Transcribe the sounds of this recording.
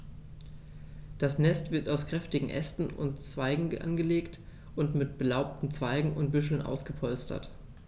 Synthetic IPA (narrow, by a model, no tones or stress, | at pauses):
d̥asnɛstv̥ɪɐtaʊskʁ̥ɛftɪɡŋ̩ʔɛ̰stn̩ʊ̰ntt͡sv̥aɪɡŋ̩ʔa̰nɡəleːkt | ʔʊntmɪtb̥əlaʊp̚tn̩t͡sv̥aɪɡŋ̩ʊ̰nt̚b̥ʏʃl̩nʔa̰ʊsɡ̥əpʰɔlstɐ̰t